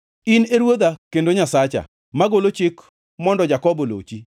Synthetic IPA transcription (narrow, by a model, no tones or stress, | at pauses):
ɪneɾwod̪akendoɲasat͡ʃa̰ | maɡolot͡ʃɪk | mɔndɔd͡ʒakɔbɔlo̰t͡ʃi